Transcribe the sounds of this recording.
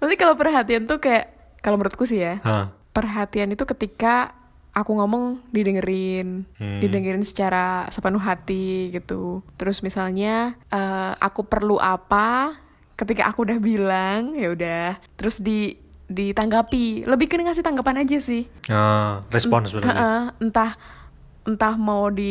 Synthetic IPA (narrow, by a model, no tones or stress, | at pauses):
nat̪ikalawpərɦat̪iant̪ukajaʔ | kalaməɾʊt̪̚kus̬ɪhjaə | pərɦat̪ianit̪ukət̪ika | akuŋomɔŋdidəŋəɾɪndidəŋəɾɪnsə̥t͡ʃaɾasəpənuɦat̪iɡit̪ut̪əɾʊsmisalɲaʔəːa̰kupərluʔapa | kət̪ika̰ʔakuːdahbilaŋjaudaht̪əɾʊsdi | dit̪aŋɡapiləbɪhkəniŋas̬ɪht̪aŋɡapanad͡ʒasɪh | ərɛspɔnsəəʔəənt̪ah | ənt̪ahmawdi